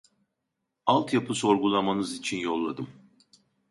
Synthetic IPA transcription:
alˠt̪ʰjapʰɯso̞ɾɡulˠamanɯzit͡ʃʰinjo̞lˠːad̪ɯm

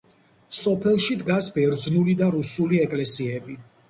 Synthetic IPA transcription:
sɔpʰɛlˠʃid̪ɡasbɛɾd̪znulid̪aɾusuliɛkʼlɛsiɛbi

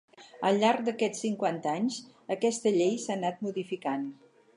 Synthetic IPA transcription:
əlˠʎːaɾk̚d̪əkɛt͡sːiŋkwant̪əaɲs | əkɛst̪əʎejsanat̪̚muðifikan

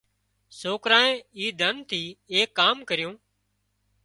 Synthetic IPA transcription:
soːkɾaːẽːiːd̪ʱənt̪ʰiːeːkːaːmkəɾɪjõː

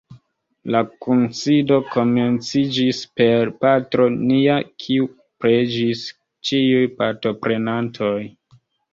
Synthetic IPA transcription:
lakunsido̞ko̞me̞nt͡sid͡ʒispe̞ɾpatɾo̞niakʰiu | pɾed͡ʒis | t͡ʃiujpaɾto̞pɾe̞nantʰo̞j

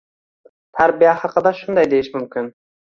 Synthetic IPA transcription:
t̪ʰæɾbijahɑqəd̪ɑʃʊnd̪ɑjd̪e̞jɪʃmʊmkʲʰɪn

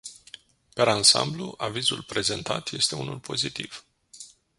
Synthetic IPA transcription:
peɾansa̰mbluʔavizulpɾe̞ze̞nt̪at̪je̞st̪e̞unulpʰo̞zit̪ḭv̥

